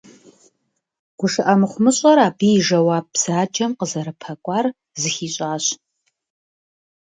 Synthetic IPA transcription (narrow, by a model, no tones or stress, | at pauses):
ɡ̥ʷʊʂɨʔɐmɨχʷʊmɨɕʼɐɾaːbiːʒɐwaːb̚z̥aːd͡ʒʼɐmqəzɐɾɐpʰɐkʷʼɑːr | zɨxiːɕʼaːɕ